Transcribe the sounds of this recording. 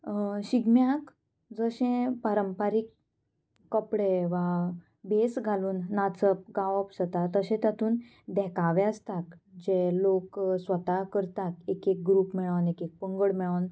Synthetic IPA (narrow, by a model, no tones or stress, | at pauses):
ɕiɡmjak | d͡zəɕẽpaɾəmpaɾikː | əpɽeʋa | besɡʱaluːnːat͡səp̚ɡaʋəpsət̪at̪əɕɛ̃t̪jat̪ʰuːn | d̪ɛkaʋẽəst̪akd͡ʑeloksʋət̪akəɾt̪akekek̚ɡɾuːpmiɭanekek̚pəŋɡəɽmiɭan